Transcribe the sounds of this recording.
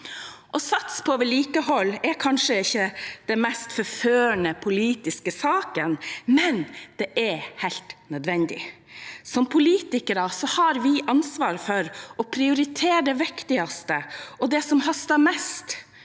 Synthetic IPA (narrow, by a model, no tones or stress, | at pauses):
ʔɔsɑt̪spʰɔoːʋəɭiːkəhɔlːɛɾkʰɑnʂəɪçːəd̪̥ɛnmæst̪fɔɾføːəɳəpʰʊliːt̪ɪskəsɑːkənmɛnd̪̥ɛʔɛɾhæɪlt̪nœd̪ʋɛnd̪ɪ̰ | sɔmpʰʊliːt̪ɪkəɾəsɔhɑɾʋɪʔɑnsʋɑːɾfɔɾʔɔpʰɾɪʊɾɪt̪ʰeːɖɛʋɪkt̪ɪɑst̪əɔd̪ɛsɔmhɑst̪ɑmɛst̪